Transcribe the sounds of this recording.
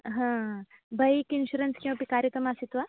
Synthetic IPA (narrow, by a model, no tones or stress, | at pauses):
ɦã | bɐjkinɕuɾɐnskĩw̃ʋɐ̃pikaɾjɐk̪ɾɐmasit̪ʋa